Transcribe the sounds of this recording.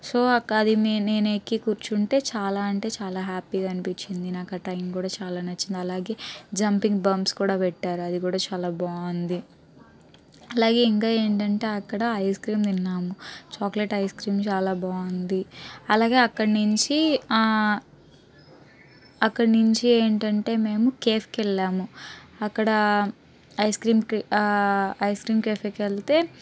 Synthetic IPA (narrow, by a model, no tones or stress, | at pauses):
soːɐkɐd̪imeneːnekikuːɾt͡ʃuɳʈe̞ːt͡ʃaːlaːɐɳʈe̞ːt͡ʃaːlaːɦaːpiːɡaːɐnipit͡ʃːind̪inaːkaʈɐjmkuːɽaːt͡ʃaːlaːnɐt͡ʃːind̪iɐlaːɡe̞ːd͡ʒɐmpiŋɡbɐmskuːɽaːpɛʈːaːɾuɐd̪ikuːɽaːt͡ʃaːlaːbaːɐnd̪i | ɐlaːɡe̞ːiŋkaːe̞ːɳʈɐɳʈe̞ːɐkːɐɽɐɐjskɾiːmd̪inːaːmut͡ʃaːkleʈɐjskɾiːmt͡ʃaːlaːbaːɐnd̪iɐlaːɡe̞ːɐkːɐɽnuɲt͡ʃi | ɐkːɐɽnuɲt͡ʃie̞ːɳʈɐɳʈe̞ːme̞ːmukeːfkɛlːaːmuɐkːɐɽɐ | ɐjskɾiːm | ɐjskɾiːmkeːpekeɭt̪e̞ː